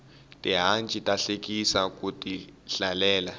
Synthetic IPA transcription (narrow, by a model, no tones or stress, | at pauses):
tʼiɦant͡ʃʼitʼaɬek̬ʼisak̬ʼutʼiɬalɛːla